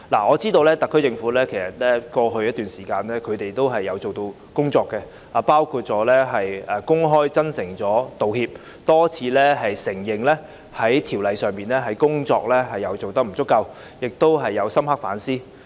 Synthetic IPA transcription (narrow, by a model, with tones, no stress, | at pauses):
la̰˨˩ŋɔː˨˧t͡siː˥t̪o˧wlɛː˥t̪ɐ˨kʰːɵ˥ɥt͡sɪ˧ŋfu˨˥lɛː˥kʰe˨˩jsɐ˨t̪̚lɛː˥kɔː˧ɦɵ˧ɥjɐ˥t̪yː˨nsiː˨˩kaː˧nɛː˥kʰɵ˨˧ɥt̪e˨jt̪o˥wɦɐ˨jːɐ˨˧wt͡so˨wt̪o˧w | kʊ˥ŋt͡sɔː˧kːɛ˧ | aː˨˩paː˥wkʰuː˧t̚t͡sɔː˨˥lɛː˥ɦɐ˨jɐ˨kʊ˥ŋɦɔː˥jt͡sɐ˥nsɪ˨˩ŋt͡sɔː˨˥t̪o˨whiː˧p̚ | t̪ɔː˥t͡sʰiː˨˧lɛː˥ɦɐ˨jsɪ˨˩ŋjɪ˨˩ŋlɛː˥ | hɐ˨˥jt̪ʰi˨˩wlɐ˨jsœː˨˩ŋpiː˨nlɛː˥ɦɐ˨˥jkʊ˥ŋt͡ʃɔ̰ː˧k̚lɛː˥ɦɐ˨jːɐ˨˧wt͡so˨wt̪ɐ˥k̚m̩˨˩t͡sʊ˥kːɐ˧w | jɪ˨k̚t̪o˥wɦɐ˨jːɐ˨˧wsɐ˥mha˥k̚faː˨˥nsiː˥